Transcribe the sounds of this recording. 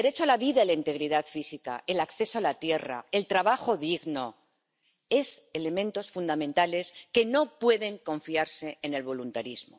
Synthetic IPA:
eɾe̞t͡ʃoalaβiðaelaint̪e̞ɣɾiðaðfisika̰ʔe̞lakθe̞soalat̪je̞ra̰e̞lt̪ɾaβaxo̞ðiɣno̞ | e̞se̞le̞mẽ̞nt̪o̞sfund̪amẽnt̪ale̞ske̞no̞pwe̞ðe̞ŋko̞ɱfiaɾseene̞lβo̞lunt̪aɾizmo

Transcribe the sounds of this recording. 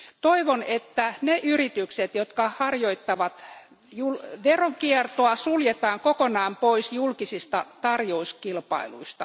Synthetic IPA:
t̪oiʋonet̪ːæneʔyrit̪ykset̪jot̪kɑhɑrjoit̪ːɑʋɑt̪ | julʋeroŋkiert̪oɑsuljet̪ɑːŋkokonɑːmpoisjulkisist̪ɑt̪ɑrjouskilpɑ̰ilṵist̪ɑ̰

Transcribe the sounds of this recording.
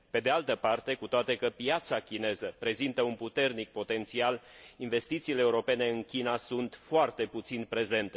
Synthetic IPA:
pe̞d̪ealt̪əpart̪e̞kut̪oat̪e̞kəpijat̪sakʲine̞zəpɾe̞zint̪əunput̪e̞rnik̚po̞t̪e̞nt̪sial | inve̞st̪it̪siːleːuɾo̞pe̞ne̞ɨnkʲinasunt̪foart̪e̞put̪sinpɾe̞ze̞nt̪e

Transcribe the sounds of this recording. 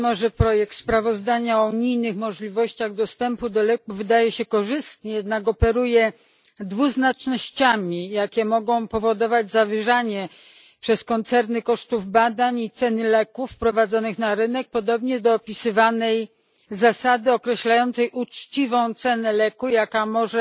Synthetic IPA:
mɔʐɛpɾɔjɛk̚t̪spɾavɔzd̪aɲaɔuɲijnɘxmɔʐlʲivɔɕt͡ɕaɣd̪ɔst̪ɛmpud̪ɔlɛkuvɘd̪ajɛɕɛkɔʐɘst̪ɲɛjɛd̪nakɔpɛɾujɛ | d̪vuznat͡ʂnɔɕt͡ɕamʲijakʲɛmɔɡɔ̃w̃pɔvɔd̪ɔvad͡ʑzavɘʐaɲɛ | pʂɛskɔnt̪sɛɾnɘkɔʂt̪uvbad̪aɲit̪sɛnɘlɛkufpɾɔvad̪zɔnɘxnaɾɘnɛk̚pɔd̪ɔbɲɛd̪ɔːpʲisɘvanɛj | zasad̪ɘɔkɾɛɕlajɔnt̪sɛjʔut͡ʂt͡ɕivɔ̃w̃t̪sɛnɛlɛkujakamɔʐɛ

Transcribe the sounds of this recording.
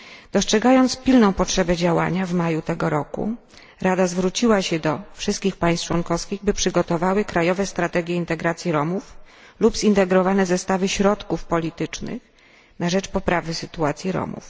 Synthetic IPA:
d̪̥ɔstʂɛɡajɔnt̪spʲilnɔ̃w̃pɔtʂɛbɛd͡ʑawa̰ɲavmajut̪ɛɡɔɾɔkṵ | ɾad̪azvɾut͡ɕiwaɕɛd̪ɔfʂɘst̪kʲixpaj̃s̚t͡ʂwɔŋkɔfskʲiɣbɘpʂɘɡɔt̪ɔvawɘkɾajɔvɛst̪ɾat̪ɛɡʲjɛint̪ɛɡɾat̪sʲjiɾɔmuflubzint̪ɛɡɾɔvanɛzɛst̪avɘɕɾɔt̪kufpɔlʲit̪ɘt͡ʂnɘ̰x | naʐɛt͡ʂpɔpɾavɘsɘt̪uat̪sʲjiɾɔ̰mṵf

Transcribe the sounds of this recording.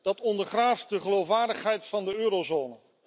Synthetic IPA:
d̥ɑtɔndəɹχraːftdəχəlowfʋaːɹdəχɦɛjtfɑndəøːɾozoːnə

